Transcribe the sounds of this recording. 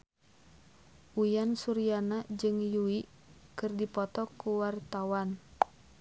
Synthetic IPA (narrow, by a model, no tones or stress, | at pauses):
ʔujansuɾianad͡ʒɨŋjuiʔ | kɨrdipɔt̪ɔkuwart̪awan